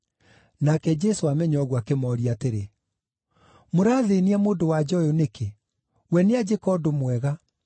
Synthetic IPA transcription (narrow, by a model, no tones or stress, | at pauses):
nakɛd͡ʑɛsoamɛɲɔɣwakemɔːɾiateɾe | moɾaːðeniamoːdowad͡ʑɔjonekʰe | wɛnead͡ʑekɔdomwɛɣa